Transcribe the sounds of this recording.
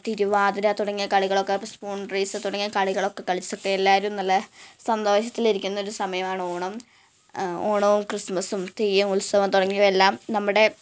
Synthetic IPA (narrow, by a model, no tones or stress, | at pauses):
t̪iɾuʋaːd̪ɐɾɐt̪uɽɐŋːijɐkɐɭiɣɐɭo̞kːepːɐspuːɳɖreːsɨt̪uɽɐŋːiɐkɐɭiɣɐɭo̞kːe̞kːɐɭit͡ɕːɐo̞kːeelːaːɐɾumnɐlːɐsɐnd̪oːɕ̬ɐt̪ːiliɾikʲːunːɐo̞ɾusɐmɐjɐmaːɳɨo̞ːɳɐm | oːɳɐʋumkrɨsmɐsumt̪iːjumulsɐʋɐmt̪uɽɐŋːijelːaːmnɐmːuɽe̞